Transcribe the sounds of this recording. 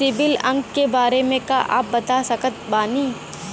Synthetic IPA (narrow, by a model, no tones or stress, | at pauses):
sɪbɪlɐ̃ŋɡkebaːɾemẽkaʔa̰ːp̚bɐt̪asɐkət̪̚baːniː